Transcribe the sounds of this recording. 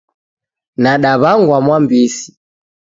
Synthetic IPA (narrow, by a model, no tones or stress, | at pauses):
naɗaβaŋɡwamwambisi̥